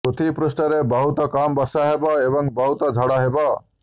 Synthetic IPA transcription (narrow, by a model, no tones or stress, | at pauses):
ut̪ʰipɾusʈɔɾebɔɦut̪ɔkambɔsaɦebɔebɔŋbɔɦut̪ɔd͡ʒʱɔɽaɦebɔ